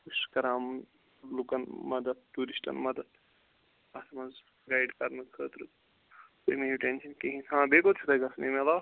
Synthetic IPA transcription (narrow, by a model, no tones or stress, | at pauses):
uʃkɐɾaːmn | lukɐnmɐd̪ɐd̪̚t̪uːɾisʈɐ̰nmɐd̪ɐd̪̚ | ɐsʰɐmɐz | ɡaːjɖkɐɾnɐkʰəːt̪ɾɨ | t̪emeiʈenʃɐnkeɦĩsʰãːbeːkot͡ʃʰut̪ɐɡɐsnemela